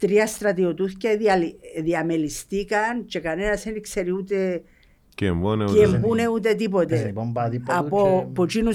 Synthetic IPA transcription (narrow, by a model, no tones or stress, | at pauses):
t̪ɾiast̪ɾɐt̪iot̪uθceðialiðiamelist̪ikɐnt͡ʃekanenɐsenikseɾiut̪e | kemboneembuneut̪̬et̪̬ip̬ot̪eombaðipapopot͡ʃinu